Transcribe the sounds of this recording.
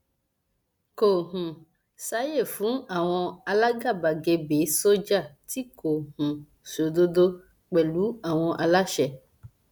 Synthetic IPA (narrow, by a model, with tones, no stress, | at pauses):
ko˨ɦũ˨ | sa˨˦je˦˨fũ˦a˨w̃ɔ̃˧a˧la˦ɡa˦˨ba˨ɡe˨be˨˦so˦d͡ʒa˦˨t̪i˦ko˨ɦũ˨ | so˨d̪o˦d̪o˦ | k͡pɛ˨lu˦a˨w̃ɔ̃˧ʔa˨la˦ʃɛ˨